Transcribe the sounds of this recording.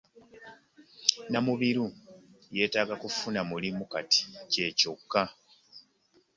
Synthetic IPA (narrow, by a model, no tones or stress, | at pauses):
namuβiɾu | je̞ːtaːɡakufunamulimukati̥ce̞ːcokːa